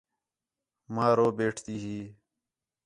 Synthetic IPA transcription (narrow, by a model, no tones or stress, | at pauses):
maːɾoːbeːʈʰt̪iːɦiː